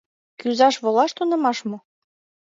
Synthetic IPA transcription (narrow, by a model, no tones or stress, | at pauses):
kyzɑʃβolɑʃt̪unɤ̆mɑʃmŏ